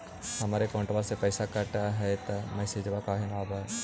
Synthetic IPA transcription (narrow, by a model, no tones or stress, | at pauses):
hɐmaːɾekɔ̃ːɳʈəbasepɛːsakɐʈaɦɛt̪ɐmɐɪsed͡ʒəbakaːɦenaːbae